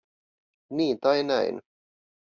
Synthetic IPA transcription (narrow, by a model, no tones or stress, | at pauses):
niːt̪ɑjna̰j̰n